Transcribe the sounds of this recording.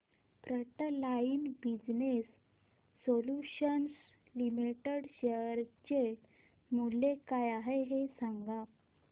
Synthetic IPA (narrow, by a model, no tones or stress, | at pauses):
pɾəʈəlainbid͡ʑnesː | oluɕəns | limiʈeɽɕəɾt͡ɕe | mulːekajaɦeɦesaŋɡa